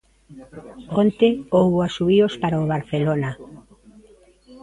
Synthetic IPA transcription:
ont̪eowβoasuβiospaɾaoβaɾθelona

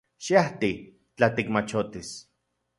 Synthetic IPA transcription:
ʃiaht̪i | t͡ɬat̪ikmat͡ʃot̪is

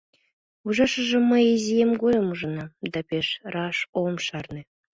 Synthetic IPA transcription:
uʒɑʃə̆ʒĕmːəjezijemɡojə̆muʒɤ̆nɑd̪ɑpʲeʃrɑʃomʃɑrnĕ

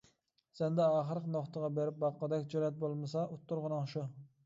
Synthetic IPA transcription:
sɛnd̪ɛɑːχəɾqnoχt̪əʁɑbeɾɪp̚bɑqːd̪ɛkʲd͡ʒoɾɛt̪̚bolˠmɨsɑʔut̪ʰːʊɾʁʊnɨŋʃu

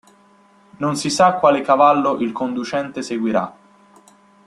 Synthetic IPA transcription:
nonsisakːwaːlekavalːoʔilkond̪ut͡ʃɛnt̪eseɡwiɾa̰

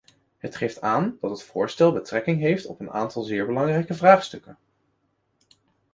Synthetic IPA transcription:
ɦətχejftaːndɑtɦətfʊːɹstɛlˠbətrɛkɪŋɦejftɔ̰pəna̰ːntɑlˠzɪːɹbəlɑŋrɛjkəvraːχstɵkən

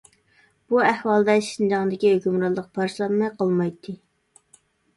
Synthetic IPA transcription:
b̥uæhwɑlˠd̪ɛʃind͡ʒɑŋd̪ɪkʲiɦøkʲymɾɑlˠːəq̚pʰɑɾʃlˠɑnmɑjqʰɑlˠmɑjt̪ʰːɨ

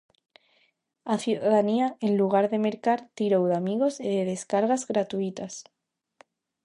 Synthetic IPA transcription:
aθjuðaðaniaenluɣ̞aɾðe̞me̞ɾkaɾt̪iɾowðamiɣo̞seðeðe̞skaɾɣazɣɾat̪uit̪as

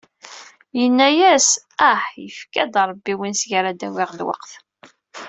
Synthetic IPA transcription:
jənːæjæs | æħjə̰fkæd̪ɾˤbːiwinsʝɾad̪æwiʁd̪wɑ̰qθ

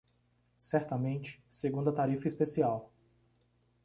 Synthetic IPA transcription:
sɛɾt̪ɐmẽnt͡ʃɪ̥seɡũnd̪ɐt̪aɾifɐispesiaw

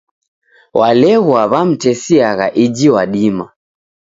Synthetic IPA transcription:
wʔalɛɣwaβam̩tɛsiaɣaʔid͡ʒiwaɗima

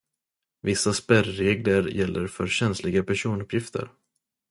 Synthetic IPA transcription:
vɪsːaspæɾːeːɡləɾjɛlːəɾfœɾɕɛnslɪɡapʰæʂuːnɵpʰjɪft̪ʰə̰ɾ

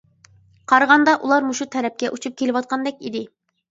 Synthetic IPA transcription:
qʰɑɾʁɑnd̪ɑʔulˠɑɾmuʃut̪ʰɛɾɛp̚kʲɛʔut͡ʃʰup̚kʲʰelɪwɑt̪̚qʰɑnd̪ɛkʲid̪ɪ

